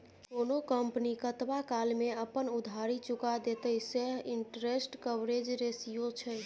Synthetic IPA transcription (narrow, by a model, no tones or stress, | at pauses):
konokəmpnikət̪bakalmeəpənud̪ʱaɾit͡ʃukad̪et̪əseɦiɳʈɾesʈkəbɾed͡ʒɾesijot͡ʃʰəj